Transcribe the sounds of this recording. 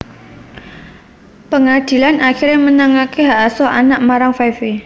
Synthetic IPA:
pəŋad̥i̤lanaxirɲamənəŋakiɦaʔasɔʔanaʔmaɾaŋfafi

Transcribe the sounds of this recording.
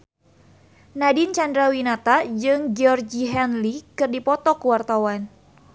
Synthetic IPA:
nadint͡ʃandɾawinat̪ad͡ʒɨŋd͡ʒɔrd͡ʒiɦɛnlikɨrdipɔt̪ɔkuwart̪awan

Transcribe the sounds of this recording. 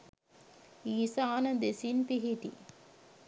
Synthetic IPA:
iːsaːnɐd̪esinpiɦiʈḭ

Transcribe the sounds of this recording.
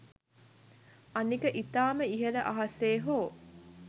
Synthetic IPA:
ɐnikəʔit̪aːməiɦeɾəʔaɦaseːɦoː

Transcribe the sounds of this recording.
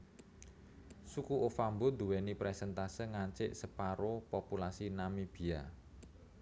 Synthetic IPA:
sukuʔofambod̪uwɛnipɾɛsɛnt̪asəŋaɲt͡ʃɪʔsəpaɾopopulasinamib̥i̤a̰

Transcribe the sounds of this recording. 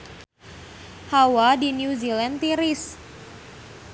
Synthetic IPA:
hawadinjuzilant̪iɾis

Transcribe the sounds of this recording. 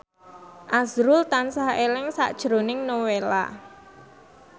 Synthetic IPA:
ʔazɾʊlt̪ansahelɪŋsa̰ʔd̥ʒ̥ɾo̤nɪŋnowela̰

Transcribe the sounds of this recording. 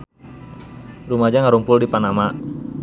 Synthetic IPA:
rumad͡ʒaŋaɾumpʊldipanama

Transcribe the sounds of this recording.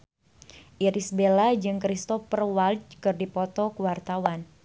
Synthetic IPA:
ʔiɾisbelad͡ʒɨŋkɾist̪ɔfərwalt͡ʃkɨrdipɔt̪ɔkuwart̪awan

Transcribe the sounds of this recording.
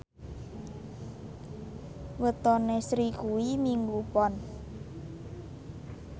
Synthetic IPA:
wət̪ɔnesɾikuwimiŋɡupɔn

